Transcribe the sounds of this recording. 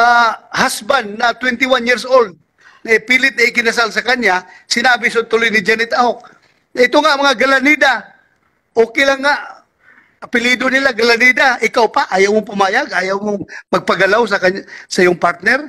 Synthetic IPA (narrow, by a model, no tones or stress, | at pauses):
ahasbanːɐt̪wɛnt̪ɪwanjiɾsold̪̚ | nɐɪpiːlɪt̪nɐɪkɪnɐs̬alsɐkaɲja | sɪnaːbɪsʊt̪ʊlojnɪd͡ʒɛnɪt̪ahok̚ | nɐɪt̪oŋaʔmɐŋaɡɐlanid̪a | ʔoːkɪlaŋːaʔ | ʔɐpɪlid̪onɪlaɡɐlanid̪aʔɪkawpaʔaːjawmop̬ʊmaːjaɡʔaːjawmoŋmɐɡ̚pɐɡɐlaws̬ɐkaasɐʔɪjʊŋpaɾt̪̚nɛɾ